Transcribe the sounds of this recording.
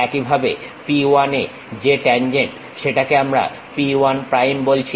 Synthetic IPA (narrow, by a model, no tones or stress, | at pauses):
ɛkibʱabepiane | d͡ʑeʈɛnd͡ʑeɳʈ | ʃeʈakeamɾa̰ | pianpɾajmbolt͡ɕʰi